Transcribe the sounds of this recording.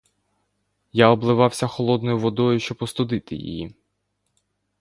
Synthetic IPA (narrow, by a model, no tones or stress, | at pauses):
jaɔblˠɪʋɑwsʲɐxɔlˠɔd̪nɔjʊʋɔd̪ɔjʊʃt͡ʃɔbɔst̪ʊd̪ɪt̪ɪjḭjḭ